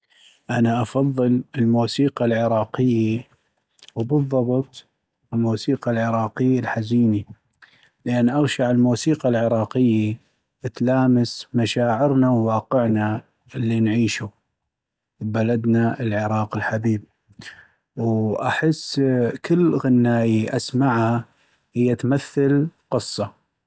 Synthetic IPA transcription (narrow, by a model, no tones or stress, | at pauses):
ʔanaʔɑfɑðˤːɨlɪlmuːsiːqalʕɪɾˤɑːqɪjːi | wbɨðˤːɑbɨt̪ˤ | lmuːsiːqalʕɪɾɑːqɪjːalħaziːni | lɪʔanːʔaɣʃaʕɪlmuːsiːqalʕɪɾˤɑːqɪjːi | ɪt̪laːmasmaʃaːʕɪɾnawwɑːqɪʕna | ɪlːinʕiːʃu | balad̪naɪlʕɪɾˤɑːqɪlħabiːb̚ | wʔaħɪsːkɪlːɣɪnːaːjiʔasmaʕha | hɪjːat̪maθːalqɨsˤːɑ